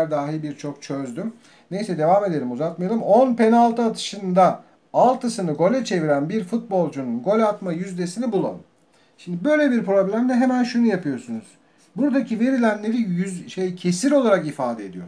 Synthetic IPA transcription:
ɾd̪aːɦibiɾt͡ʃʰo̞kt͡ʃʰøzd̪ym | ne̞jsɛd̪e̞vaːme̞d̪e̞lʲimuzat̪̚majalˠɯmo̞npe̞nalˠt̪ʰɯat̪ʰɯ̥ʃɯnd̪a | alˠt̪ʰɯsɯnɯɡo̞lʲɛt͡ʃʰe̞viɾænbiɾfut̪̚bo̞lˠd͡ʒununɡo̞lʲat̪majyzd̪e̞sinibulˠa̰n | ʃimd̪ibø̞jlʲebiɾpɾo̞blʲæmd̪ɛɦemænʃunujapʰɯjo̞ɾsunuz̥ | buɾd̪acʰive̞ɾilʲænlʲe̞ɾijyzʃejcʰe̞siɾo̞lˠaɾakifaːd̪ed̪ijo̞ɾ

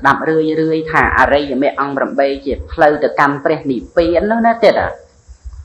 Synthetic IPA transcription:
s̆ɗap̚rɨəjrɨəjt̪ʰa̰ːʔa̰ːɾɨjmɛəʔɑŋpramɓeːt͡ɕiəpʰləwt̪ɨwkanprɛ̆əhnipeːənʊhnat̪eːt̪a̰

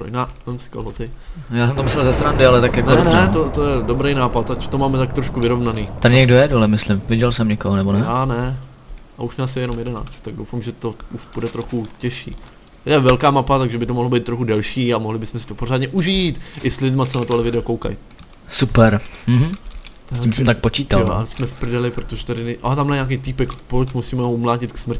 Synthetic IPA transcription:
pɾo̰jnaːvɛmsɪ̥ko̰ɦlot̪ɪjaːsɛmt̪omɪslɛlzɛst̪ɾandɪalɛt̪akjaknɛnɛot̪ojɛdobɾejnaːpat̪acu̥t̪omaːmɛt̪ak̚t̪ɾoʃkuvɪɾo̞vnaniːt̪adɪɲɛɡdojɛdolɛmɪslɪmvɪɟɛlsɛmɲɛkoɦonɛbonɛaːnɛ | ʔauʃnaːsjɛjɛno̞mjɛdɛna̰ːt͡st̪t̪ːaɡ̚dowfamʒɛt̪o̞uʃb̥udɛt̪ɾo̞xucɛʃḭː | ɛvɛlkaːmapat̪aɡʒɛbɪt̪omoɦlobijt̪̚ːɾoxudɛlʃiːamoɦlɪbɪsmɛsɪ̥t̪o̞po̞ɾ̝aːdɲɛʔuʒiːt̪ʔɪslɪlɪdmat͡sɛnat̪olɛvɪdɛokowka̰j | supɛɾm̩ɦm̩t̪ɛimsɛmt̪ak̚pot͡ʃiːt̪ajolʔa̰lɛsmɛfpɾɪdɛlɪpɾot̪oʒɛt̪adɪnʔat̪amaɲaːk̬ejt̪ipɛkpocmusiːmɛɦoumlaːcɪt̪ksmr̩cɪ

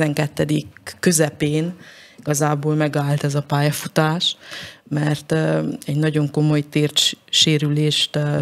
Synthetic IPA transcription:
ɛŋkɛt̪ːɛd̪ikːøzɛpeːniɡ̥ɒzaːboːlmɛɡaːlt̪ɛzɒpaːjɒfut̪aːʃmɛrt̪ɛɟnɒɟo̞ŋko̞mo̞jt̪eːrʃeːɾyleːʃt̪

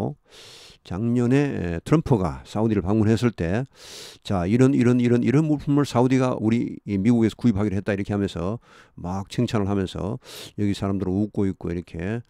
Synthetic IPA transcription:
t͡ɕaŋɲʌne̞tʰɯɾʌmpʰɯɡa̰sʰaud̪iɾɯɭpaŋmunɦes̬͈ɯɭt͈e̞ | t͡ɕaiɾʌniɾʌniɾʌniɾʌnmoɭpʰumɯɭsaudiɡa̰ʔuɾimiɡuɡe̞sʰʌkuip̚ʰhaɡiɾɯɭɦet̚t͈aiɾʌkʰe̞ɦamjʌnsʰʌ | mak̚t͡ɕʰeŋt͡ɕʰanɯɭɦamjʌnsʰʌ̰jʌɡisʰaɾamdɯɾuk̚k͈oik̚k͈oiɾʌkʰe̞

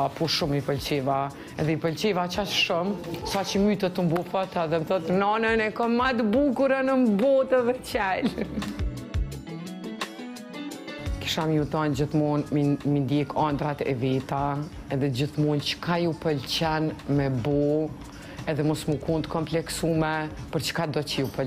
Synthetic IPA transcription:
puʃuməpəlt͡ɕɛva | ɛðɛipəlt͡ɕɛvat͡ʃat͡ʃʃumsat͡ɕəmyt̪ət̪ːəmbɔfɔt̪aðɛmθɔt̪nɔnənɛkɔmad̪əbukuɾanəmbɔt̪ɛðɛt͡ɕɛl | ki̥ʃamiut̪ɔnd͡ʑəθmunmmind̪jɛkʰɔnd̪ɾat̪ɛ̰vɛt̪a | ɛðɛd͡ʑiθmunt͡ʃə̥kajupəlt͡ɕɛnmɛbɔ | ɛðɛmɔsmukund̪kʰɔmplɛksumɛpəɾt͡ʃə̥kad̪ɔt͡ʃəjupə

